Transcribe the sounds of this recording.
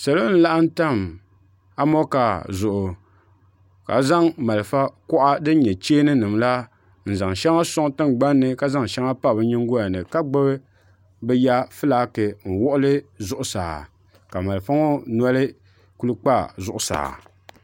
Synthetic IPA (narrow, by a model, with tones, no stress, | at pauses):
sa˨lo˦n˦la˦ʔa˦n̩˦ta˦˨m | a˦mɔ˦ka˨zʊ˨ʔʊ˨ | ka̰˨za˦ŋma˨lfa˦kɔ˦ʔa˦dɨ˦n˦ɲɛ˨t͡ʃeː˦nɨ˦nɨ˨mla˦ | n̩˨za˨ŋʃɛ˦ŋa˦sʊ˦ŋ˦tɨ˦ŋɡ͡ba˦nːɨ˨ka˦za˦ŋʃɛ˦ŋa˦pa˦˨bɨ˦ɲɪ˦ŋ˦ɡo˦a˨nɨ˨ka˦ɡ͡bɨ˦bɨ˦ | bɨ˦ja˦fɨ˦laː˨˦kɨ˨n̩˨wɔ˦ʔʊ˦lɨ˦zʊ˦ʔʊ˦sa̰ː˨ | ka˨ma˨lɨ˨fa˦ŋo˦na˦lɨ˦ | ku˦lɨ˦k͡pa˦zʊ˦ʔʊ˨sa̰ː˨